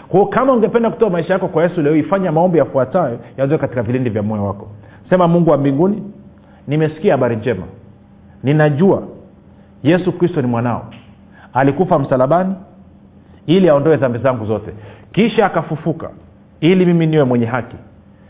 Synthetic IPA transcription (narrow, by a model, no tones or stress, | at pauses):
kwaɔkamauŋɡɛpɛndaku̥tɔamaiʃajakɔkwajɛsulɛɔifaɲamaɔmbijafuatajɔjazɛkati̥kavilindivjamɔɛwakɔ | sɛmamuŋɡuwambiŋɡuni | nimɛsi̥kiahaɓaɾiɲd͡ʒɛma̰ | ninaʄua̰ | jɛsukɾistɔnimwanaɔ̰ | alikufam̩salaɓani | iliaɔndɔɛðambizaŋɡuzɔtɛkiʃaːkafufuka̰ | ilimiminiwɛmwɛɲɛɦaki